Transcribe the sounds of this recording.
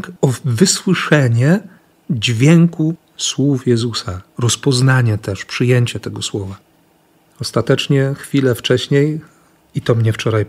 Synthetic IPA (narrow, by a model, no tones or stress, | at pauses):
ɔvɘswɘʂɛɲɛ | d͡ʑvʲjɛŋku | swufjɛzusaɾɔspɔznaɲɛt̪ɛʂpʂɘjeɲt͡ɕɛt̪ɛɡɔswɔva | ɔst̪at̪ɛt͡ʂɲɛxfʲilɛft͡ʂɛɕɲej | it̪ɔmɲɛft͡ʂɔɾaj